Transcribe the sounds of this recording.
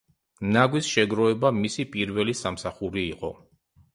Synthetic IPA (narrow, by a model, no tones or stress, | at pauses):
naɡwisʃɛɡɾɔɛbamisipʼiɾvɛlisamsaχuɾiːqʼɔ̰